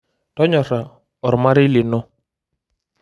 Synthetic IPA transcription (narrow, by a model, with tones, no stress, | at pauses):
tɔ˦ɲɔ˨ɾa˨ | ɔ˨ɾma˦ɾɪ˦lɪ˨nɔ˦